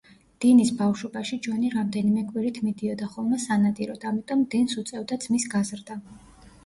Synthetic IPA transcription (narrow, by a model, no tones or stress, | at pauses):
d̪̥inisbafʃɔbaʃid͡ʒwɔniɾamd̪ɛnimɛkʼwiɾit̪ʰmid̪iɔd̪aχɔlˠmɛsanat̪ʼiɾɔd̪amit̪ʼɔmd̪insut̪sʼɛvd̪ad̪zmisɡazɾd̪a